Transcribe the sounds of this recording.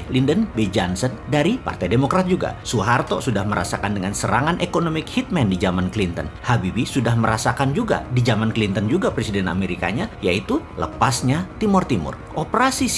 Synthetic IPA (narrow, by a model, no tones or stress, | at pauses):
klindənbed͡ʒansəndaɾipa̰rt̪ajdemokɾat̪̚d͡ʒuɡa̰suɦart̪o̰sudahməɾa̰sakandəŋansəɾaŋanʔekonomɪkhit̪̚mɛndid͡ʒamanklint̪ənhabibisudahməɾasakand͡ʒuɡa̰did͡ʒamanklint̪ənd͡ʒuɡapɾesidɛna̰meɾika̰ɲajait̪ulə̰pasɲat̪imʊrt̪imʊ̰r | ʔopɾasi